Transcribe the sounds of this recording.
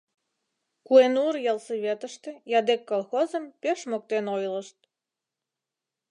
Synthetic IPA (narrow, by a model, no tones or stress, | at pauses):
kuenurjɑlˠsəβʲet̪əʃt̪ĕjɑd̪ekːolˠxozə̆mpeʃmok̚t̪enojləʃt̪̚